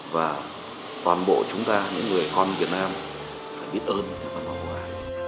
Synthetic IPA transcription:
vaː˨˩ | t̪waː˨˩nɓo̰˧˨t͡ɕʊ˨˦ŋ͡mt̪aː˧ɲɨ̰˧˥ŋːɨ˨˩əjkɔ˧nvi˨˩ət̚naː˧m | faː˧˩jɓi˦˥ət̚ʔəː˧nɲa˧˩kaː˧nma˧wkwaː˧˩

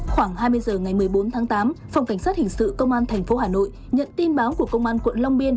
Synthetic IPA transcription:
xwaː˧˩ŋɦaː˧jmɨ˧əjzəː˨˩ŋa˨˩jmɨ˨˩əjɓo˨˦nt̪ʰaː˨˦ŋt̪aː˨˦mfa˧wŋ͡mka˧˩ŋ̟sa˦˥t̚hï˨˩ŋ̟sɨ̰˧˨kə˧wŋ͡mʔaː˧nt̪ʰɛ˨˩jŋ̟fo˨˦haː˨˩no̰˧˨j | ɲə̰˧˨nt̪i˧nɓaː˨˦wku˧˩əkə˧wŋ͡mʔaː˧nkwə̰˧˨nla˧wŋ͡mɓi˧ən

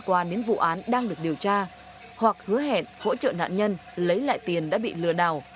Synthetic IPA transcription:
kwaː˨˧ɗe˨˦nvṵ˧˨ʔaː˨˦nɗaː˧ŋɗɨ˨˩ək̚ɗi˨˩əwt͡ɕaː˧ | hwa˨˩k̚hɨ˨˦əɦḛ˧˨nho̰˧˥t͡ɕə̰ː˧˨na̰ː˧˨nɲə˧nlə˨˦jla̰ː˧˨jt̪i˨˩ənɗa̰ː˧˥ɓḭ˧˨lɨ˨˩əɗaː˨˩w

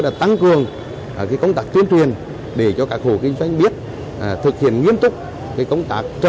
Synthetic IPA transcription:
laː˧˩t̪a˧ŋkɨ˨˩əŋ˨˩ | kaː˨˦jkə˧wŋ͡mt̪aː˦˥k̚t̪wi˧ənt͡ɕwi˨˩ən | ɗe˧˩t͡ɕɔ˧kaː˦˥k̚ho˧˨˩kï˧ŋ̟zwa˧jŋ̟ɓi˦˥ət̚ | ʔt̪ʰɨ˨˩k̚hḭ˧˨ənŋwi˧ənt̪ʊ˦˥k͡p̚ | kaː˨˦jkə˧wŋ͡mt̪aː˦˥k̚t͡ɕə˧˩

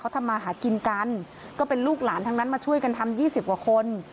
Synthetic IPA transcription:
kʰa˦˥t̪ʰa˧mːaː˧ɦaː˩˦ki˧nka˧n | kɔː˥˩pe˧nluː˥˩k̚laː˩˦nt̪ʰa˧ŋnaː˦˥nmaː˧t͡ɕʰu˥˩əjka˧nt̪ʰa˧mjiː˥˩si˨˩p̚ka˧˩kʰo˧n

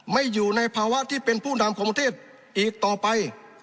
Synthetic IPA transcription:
ma˥˩jːuː˨˩na˧jpʰaː˧wa˦˥ʔt̪ʰiː˥˩pe˧npʰuː˥˩na˧mkʰɔː˨˦ŋpa˧t̪ʰeː˥˩t̪̚ | ʔiː˨˩k̚t̪ɔː˨˩pa˧j

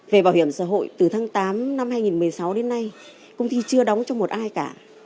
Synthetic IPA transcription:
ve˨˩ɓaː˧˩whi˧˩əmsa̰ː˧˥ɦo̰˧˨jt̪ɨ˨˩t̪ʰaː˨˦ŋt̪aː˨˦mna˧mhaː˧jŋi˨˩nmɨ˨˩əjsa˨˦wɗe˨˦nːa˧j | kə˧wŋ͡mt̪i˧t͡ɕɨ˧əɗɔ˨˦wŋ͡mt͡ɕɔ˧wŋ͡mmo˨˩t̚ʔaː˧jkaː˧˩

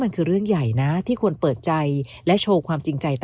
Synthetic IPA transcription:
ma˧nkʰɯː˧ɾɯ˥˩əŋja˨˩jna˦˥t̪ʰiː˥˩kʰu˧ənpɤː˨˩t̪̚t͡ɕa˧j | lɛ˦˥t͡ɕʰoː˧wkʰwaː˧mt͡ɕi˧ŋt͡ɕa˧jt̪

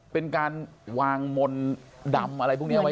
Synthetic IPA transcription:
pe˧nkaː˧nwaː˧ŋmo˧nda˧mʔa˧ɾa˧jpʰu˥˩ni˦˥˧a˦

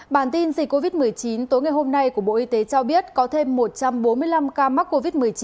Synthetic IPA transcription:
ɓaː˧˩nt̪i˧nzï̟˨˩kːo˧vi˦˥t̚mɨ˨˩əjt͡ɕi˨˦nt̪o˨˦jŋa˨˩jɦo˧mna˧jku˧˩əɓo̰˧˨ʔi˧t̪e˨˦t͡ɕɔ˧ɓi˦˥ət̚kɔ˨˦t̪ʰe˧mːo˨˩t̚t͡ɕa˧mɓo˨˦nmɨ˧əjla˧mkaː˧ma˦˥k̚kːo˧vi˦˥t̚mɨ˨˩əjt͡ɕ

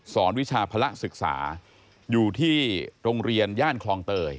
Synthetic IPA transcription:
sɔː˩˦nwi˦˥t͡ɕʰaː˧pʰa˧la˦˥ʔsɯ˨˩k̚sa̰ː˩˦ | juː˨˩t̪ʰiː˥˩ɾo˧ŋɾi˧ənjaː˥˩nkʰlɔː˧ŋt̪ɤː˧j

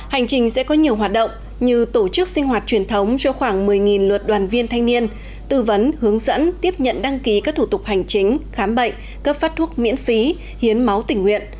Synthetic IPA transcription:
ha˨˩jŋ̟t͡ɕï˨˩ŋ̟sɛ̰˧˥kɔ˨˦ɲi˨˩əwɦwaː˨˩t̚ɗə̰˧˨wŋ͡m | ɲɨ˧t̪o˧˩t͡ɕɨ˦˥k̚sï˧ŋ̟ɦwaː˨˩t̚t͡ɕwi˨˩ənt̪ʰə˨˦wŋ͡mt͡ɕɔ˧xwaː˧˩ŋmɨ˨˩əjŋi˨˩nlwə˨˩t̚ɗwaː˨˩nvi˧ənt̪ʰa˧jŋ̟ni˧ən | t̪ɨ˧˩və˨˦nhɨ˨˦əŋzə̰˧˥nt̪i˦˥əp̚ɲə̰˧˨nɗa˧ŋki˨˦kaː˦˥k̚t̪ʰu˧˩t̪ʊ˨˩k͡p̚ha˨˩jŋ̟t͡ɕi˨˦ŋ̟xaː˨˦mɓə̰˧˨jŋ̟ | kə˦˥p̚faː˦˥t̚t̪ʰu˦˥ək̚mḭ˧˥ənfi˨˦ | hi˨˦ənma˨˦wt̪ï˧˩ŋːwḭ˧˨ən

